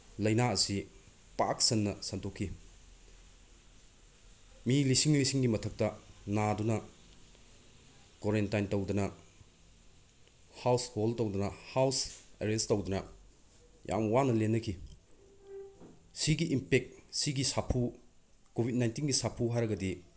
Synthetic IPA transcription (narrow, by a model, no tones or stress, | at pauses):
lɐjnaɐsi | pa̰k̚sɐnːɐsɐntʰokʰːi | milisiŋlisiŋɡimɐtʰɐk̚tɐnadunɐ | koɾentajntɐwdɐnɐ | hawsholtɐwdɐnɐhawseɾestɐwdɐnɐ | jʔa̰mwanɐlenːɐkʰi | siɡiʔimpek̚t̚siɡisapʰu | kobʱit̚najntinɡisapʰuɦaɾɐɡɐdi